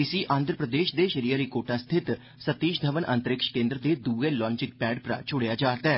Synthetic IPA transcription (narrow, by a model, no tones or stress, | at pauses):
ɪsiːʔʔãːnd̪ɾəpɾəd̪eːʃd̪eːʃəɾiːəɾikoːʈãːst̪ʰɪt̪ | sət̪iːʃd̪ʱəʋənʔə̰nt̪əɾɪkʃkẽːnd̪ɾəd̪eːd̪uːẽːlɔ̃ːnt͡ʃɪk̚pɛːɖpɾa̰ːt͡ʃʰʊɽejaːd͡ʒaːɾt̪aɛː